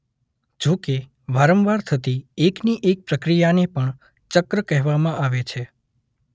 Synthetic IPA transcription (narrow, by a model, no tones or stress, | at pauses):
d͡ʒoke | ʋaɾəmʋaɾt̪ʰət̪iekniʔek̚pɾəkɾijanepəɳ | t͡ʃəkɾəkɛɦʋamãʔaʋet͡ʃʰe